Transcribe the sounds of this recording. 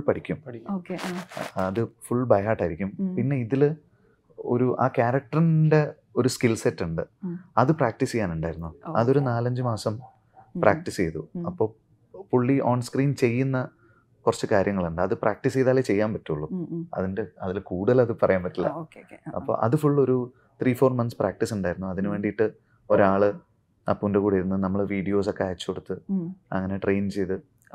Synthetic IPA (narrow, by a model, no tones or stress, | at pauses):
pɐɽikʲːum | ɐðɨfuɭbɐjɦaːʈːaːjiɾikʲːumpinːe̞iðil | o̞̰ɾuʔaːkaːɾɐk̚ʈɐrnde̞ | o̞ɾuskilsetːuɳɖɨɐðɨpraːk̚ʈisejːaːnuɳɖaːjɾunːuɐðo̞ɾunaːlɐɲd͡ʑɨmaːsɐm | prʔaːk̚ʈisejðṵɐpːo̞ː | puɭːiʔo̞ːɳskriːnt͡ɕe̞jːunːɐ | kurɐt͡ɕːɨkaːɾjɐŋːɐɭuɳɖɨɐðɨprʔaːk̚ʈisejðaːlet͡ɕe̞jːaːmpɐtːuɭːuɐ̰ðindeɐðilkuːɽɐlɐðɨpɐrɐjaːmbɐtːilːɐ̰ɐ̰pːo̰ːʔɐ̰ðɨfuɭːoɾu | t̪ʰriːfo̞ːrmɐnsprʔaːk̚ʈisuɳɖaːjiɾunːuɐðinɨʋe̞ːɳɖijʈːɨ | o̞ɾaːɭɨ | ɐpːunde̞kuːɽɐjɾunːɐnɐmːɐɭʋiːɽijo̞ːso̞kːeɐːɐt͡ɕːuko̞ɽut̪ːɨɐ̰ŋːɐne̞ʈre̞jnt͡ɕe̞jt̪ɨ